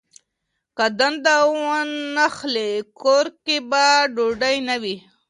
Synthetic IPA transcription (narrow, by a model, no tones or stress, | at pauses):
kad̪and̪awanːaxlekoɾkebaɖoɖajnawi